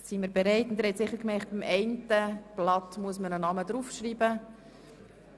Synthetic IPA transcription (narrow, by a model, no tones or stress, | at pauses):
siməɾbeɾɛɪtʊnd̪ɛɾhɛtsɪχːəɾkmɛɪχt̚b̥imɛɪntəb̥lɑtmuəsmənənɑmədɾufʃriːbə